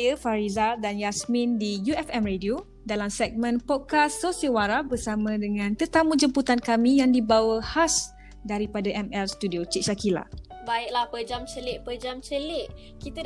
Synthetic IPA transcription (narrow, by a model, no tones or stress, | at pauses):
jəfaɾizadanjasmĩndijuɛfɛmredio | dalamsɛɡ̚mə̃npɔd̚kasːosiəwaɾabərsamãdəŋãnt̪ət̪amũd͡ʒəmput̪ankamĩjaŋdibawəhas | daɾipadaʔɛmɛlst̪udiot͡ʃiʔ̚ʃakila̰ | baɪk̚lahpəd͡ʒamt͡ʃəlɪʔ̚pəd͡ʒamt͡ʃəlɪʔ̚ | kit̪a